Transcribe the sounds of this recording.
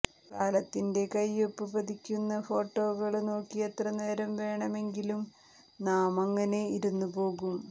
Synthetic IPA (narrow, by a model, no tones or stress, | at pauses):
kaːlɐt̪ːinde̞kɐjopːɨpɐd̪ʱikʲːunːɐfo̞ːʈːo̞ːɣɐɭno̞ːkːijɐt̪rɐneːɾɐmʋe̞ːɳɐme̞ŋɡilum | naːmɐŋːɐne̞iɾunːupo̞ːɣum